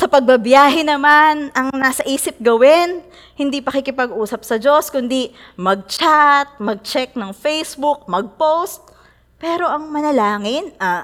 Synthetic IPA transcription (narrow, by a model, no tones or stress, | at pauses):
sɐpɐɡ̚bɐbjaːɦɛnɐmanʔɐŋnaːsɐʔiːsɪp̚ɡɐwɛn | hɪnd̪iːpɐkɪkɪpɐɡʔuːsɐp̚sɐd͡ʒo̞skʊnd̪i | mɐɡ̚t͡ʃat̪̚mɐɡ̚t͡ʃɛk̚nɐŋfɛjsbuk̚mɐɡ̚powst̪̚ | pɛːɾo̞ʔɐŋmɐnɐlaːŋɪnʔɐ